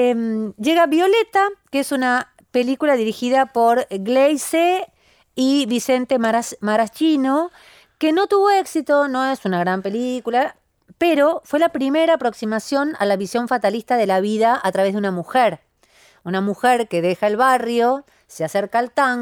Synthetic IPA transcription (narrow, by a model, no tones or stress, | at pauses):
mʒe̞ɣaβjo̞le̞t̪akeesuna | pe̞likulaðiɾixiðapo̞ɾɣlejse | iβise̞nt̪emaɾat͡ʃino̞ | keno̞t̪uβo̞e̞ksit̪o̞no̞esunaɣɾampelikula | peɾo̞fwe̞lapɾime̞ɾaːpɾo̞ksimasjo̞na̰laβisjo̞ɱfat̪alist̪aðe̞laβiðaʔat̪ɾaβe̞zðeunamuxeɾ | unamuxeɾke̞ðexaelβarjo̞ | seaseɾkaːlt̪aŋ